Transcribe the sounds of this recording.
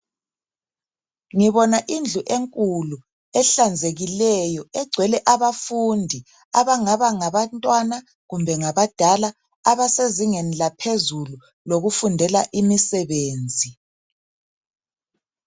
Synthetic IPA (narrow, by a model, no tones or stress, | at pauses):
ŋiβɔnaʔind͡ɮʱuʔeŋkʼulu | ɛɬand͡zʱeɣilɛjɔɛɡ͡ǀʱwɛlɛʔaβafundʱi | aβaŋaβaŋaβantʼwana | ɣumbʱɛŋaβad̥ʱala | aβaseziŋenilapʰezulu | loɣufundʱɛla̰ʔimisɛβeːnd͡zʱi